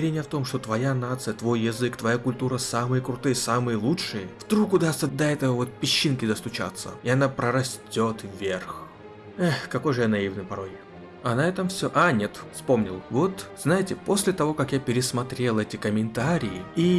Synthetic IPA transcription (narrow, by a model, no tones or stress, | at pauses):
ɾʲenʲɪjəft̪o̞mʂt̪o̞t̪vɐjanat̪sɨjət̪vo̞jːɪzɨkt̪vɐjakʊlʲt̪uɾəsamɨjəkɾʊt̪ɨjəsamɨjəlˠutʂɨjəvd̪ɾukʊd̪asəd̪ɐɛt̪əvəvo̞t̪̚pʲɪɕːinkʲɪd̪əst̪ʊt͡ɕa̰t̪sːə̰ɪɐnapɾəɾɐsʲtʲo̞t̪vvʲerx | axkɐko̞jʐɨjanɐivnɨjpɐɾo̞j | ɐnaat̪ɐmfsʲoʔanʲe̞t̪fspo̞mnʲɪ̰lˠvo̞t̪z̥najɪtʲɪpo̞sʲlʲɪt̪ɐvo̞kakjapʲɪɾʲɪsmɐt̪ɾʲe̞lˠɛtʲɪkəmʲɪnt̪aɾʲɪjɪi